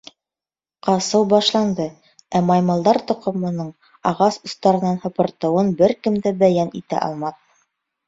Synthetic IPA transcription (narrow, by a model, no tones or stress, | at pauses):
qɑsɤwbɑʃlˠɑnd̪ɤ | æmɑjmɑlˠd̪ɑɾt̪ŏqŏmɤ̆nɤɴ | ɑʁɑsust̪ɑɾɤ̆nːɑnhɤ̆pɤ̆ɾt̪ɤ̆wɤnbɘɾkɘ̆md̪æbæjænit̪æ̰ʔɑ̰lˠmɑt̪̚